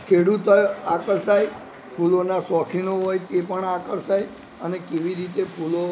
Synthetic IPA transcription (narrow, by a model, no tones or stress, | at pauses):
kʰeɽut̪ojakəɾsaj | pʰulonasɔkʰinoɦojk̪epəɳakəɾsaj | ənekeʋiɾit̪epʰulo